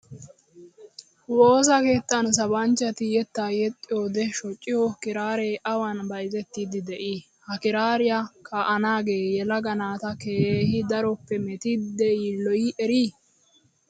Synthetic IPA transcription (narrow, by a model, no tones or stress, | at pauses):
wo̞ːs̬ɐke̞ːt̪ːɐns̬ɐbɐnt͡ʃːɐt̪ɪjɛt̪ːaːjɛt̪ʼːɪjoːd̪ɛʃɔt͡ʃʼːɪjɔkɪɾaːɾeːʔɐwɐnbɐzɛt̪ːid̪ɪd̪ɛʔi | hɐkɪɾaːɾɪjɐkʰaʔɐnaːɡeːjɛlɐɡɐnaːt̪ɐkeːhɪd̪ɐɾɔpːɛmɛt̪id̪d̪ɛʔiːlɔjiʔɛɾiː